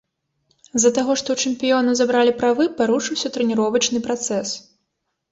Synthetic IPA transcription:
zːɐt̪aɣɔʂt̪ɔwt͡ʂɨmpʲijɔnɐzabɾalʲipɾavɨpaɾuʂɨwsʲɐt̪ɾɛnʲiɾɔvɐt͡ʂnɨpɾat̪sɛs

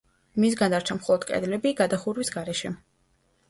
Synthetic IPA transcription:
mis̬ɡand̪aɾt͡ʃʰamχɔlˠɔd̪kʼɛ̰d̪lɛbiɡad̪aχuɾwisɡaɾɛʃɛ

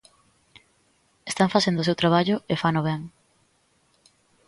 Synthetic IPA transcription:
est̪aŋfasend̪os̬ewt̪ɾaβ̞aʎʊefanoβɛŋ

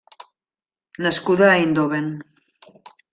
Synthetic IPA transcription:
naskuðaind̪oβen

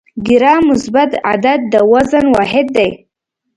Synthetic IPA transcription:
ɡɪɾɑmʊsbat̪a̰d̪ad̪̚d̪əwazanwɑɦɪd̪̚ːaj

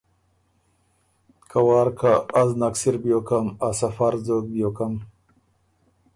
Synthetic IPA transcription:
kʰawɑːɾkʰaːznaksiɾbjokamasafaɾzok̚bjokam

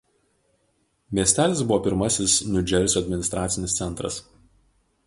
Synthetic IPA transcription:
mʲiɛsʲt̪ʲæːlʲɪsbʊʋɔːpʲɪɾmɐsʲɪsnʊd͡ʒʲɛɾʲsʲuɐd̪ʲmʲɪnʲɪst̪ɾɑːt̪sʲɪnʲɪst̪sʲɛnˑt̪ɾɐ̰s

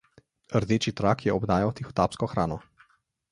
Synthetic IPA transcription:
əɾd̪eːt͡ʃit̪ɾakjɛɔbd̪aːjawt̪ixɔ̥t̪aːpskɔxɾaːnɔ

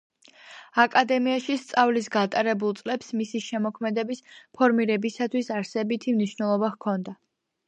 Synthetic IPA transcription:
akʼad̪ɛmiaʃist̪sʼavlisɡat̪ʼaɾɛbulˠt̪sʼlɛpsmisiʃɛmɔkʰmɛd̪ɛbispʰɔɾmiɾɛbisat̪ʰwisaɾsɛbit̪ʰimniʃnɛlˠɔbaʁkʰɔnd̪a

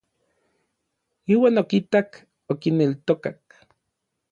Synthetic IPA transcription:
iːwaːnokit̪ak | okinelt̪okak

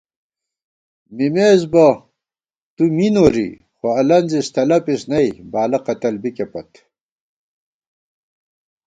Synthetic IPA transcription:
mimeːzbɐ | t̪uminoɾḭ | xoɐlɐnzist̪ʰɐlɐpisnɐjbaːlɐqɐt̪ɐlbikepɐt̪

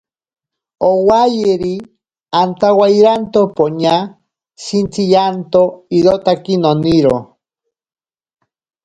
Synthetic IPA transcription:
owajeɾi | ant̪awajɾant̪opoɲa | sint͡sijant̪oiɾot̪akinoniɾo

